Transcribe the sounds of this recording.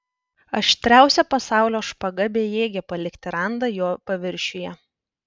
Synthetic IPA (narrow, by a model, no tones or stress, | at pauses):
ɐʃʲt̪ʲɾʲæˑʊsʲɛpɐsɑˑʊlʲoːʃpɐɡɐbʲeːjeːɡʲɛpɐlʲɪkt̪ʲɪɾɑˑnd̪ɐjoːpɐʋʲɪɾʲʃʲʊjɛ